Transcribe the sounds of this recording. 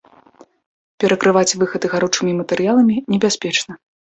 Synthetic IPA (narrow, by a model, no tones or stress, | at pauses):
pʲɛɾɐkɾɨvat͡sʲvɨxɐd̪ɨɣaɾut͡ʂɨmʲimɐt̪ɛɾɨjalˠɐmʲinʲɛbʲasʲpʲɛt͡ʂnɐ